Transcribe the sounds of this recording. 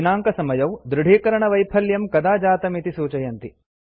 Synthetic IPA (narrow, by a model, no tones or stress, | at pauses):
inaːŋkɐsɐmɐjɐwd̪ɾuɽ̤ʱiːkɐɾɐɳɐʋɐjpʰɐljɐmkɐd̪aːd͡ʒaːt̪ɐmit̪isuːt͡ʃɐjɐnt̪i